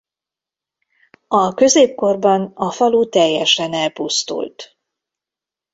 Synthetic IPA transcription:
ɒkø̞zeːp̚ko̞rbɒnɒfɒlut̪ɛjːɛʃɛnɛlpust̪ṵlt̪

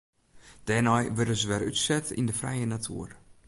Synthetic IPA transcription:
d̥ɛːnɔjʋørdənzəʋɛrytsɛtḭndəfrɛ̰jənatʰṵər

